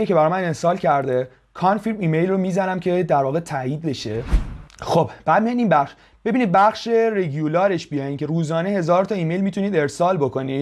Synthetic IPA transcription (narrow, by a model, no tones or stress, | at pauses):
ecʰe̞bæɾɒːmæne̞sɒːlcʰæɾd̪e | kʰɒnfiɾmiːme̞jlromiːzænæmcʰe̞d̪æɾvɒːɣet̪ʰæiːd̪̚be̞ʃe | xob̥b̥æːd̪̚mijɒjniːnbæχʃ | b̥e̞biniːd̪̚bæχʃe̞ɾeɡulɒːɾeʃbijɒjincʰe̞ɾuːzɒːneɦe̞zɒːɾt̪ʰɒiːmejlmiːt̪ʰuniːd̪e̞ɾsɒːlbo̞kʰo̞niːd̪